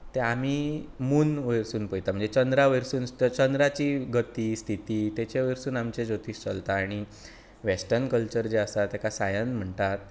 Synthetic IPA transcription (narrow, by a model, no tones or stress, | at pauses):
t̪eamimuːnʋəjɾsuːnpəjt̪am̤əɳd͡zet͡ɕənd̪ɾaʋəjɾsuːnt̪ət͡ɕənd̪ɾat͡ɕiːɡət̪iːst̪ʰit̪iːt̪et͡ɕeʋəjɾsuːnamt͡ɕed͡zot̪iːst͡səlt̪aːɽ̃i | ʋesʈəɾnkəlt͡ɕəɾd͡ʑeəsat̪ɛkasajənm̤əɳt̪at̪̚